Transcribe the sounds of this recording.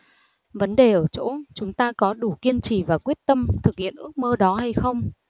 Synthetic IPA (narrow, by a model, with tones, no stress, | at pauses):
və˨˦nɗe˨˩ʔəː˧˩t͡ɕo̰˧˥t͡ɕʊ˨˦ŋ͡mt̪aː˧kɔ˨˦ɗu˧˩ki˧ənt͡ɕi˧˩vaː˨˩kwi˦˥ət̚t̪ə˧mt̪ʰɨ˨˩k̚hḭ˧˨ənʔɨ˦˥ək̚məː˧ɗɔ˨˦ɦa˧jxə˧wŋ͡m